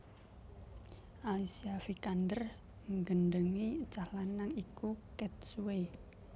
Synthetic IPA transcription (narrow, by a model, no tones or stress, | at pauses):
ʔalisiafikand̪ər | ŋɡənɖəŋit͡ʃahlanːaŋikukɛt̪̚suwe